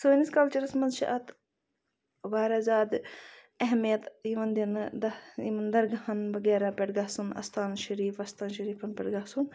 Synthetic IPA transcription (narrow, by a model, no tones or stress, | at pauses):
soːniskɐlt͡ʃɐɾɐsmɐnzʃɐ̰ʔɐt̪ | ʋaːɾɐzaːd̪ | ɐɦmijɐt̪iʋɐnd̪ind̪ɐimɐnd̪ɐɾɡɐɦɐnbɐɡeːɾaːpʲeʈɡaɦsunɐ̰st̪ʰaːnʃɐɾiːfɐst̪ʰaːnʃɐɾiːfʰɐnpʲɛʈɡaɦsun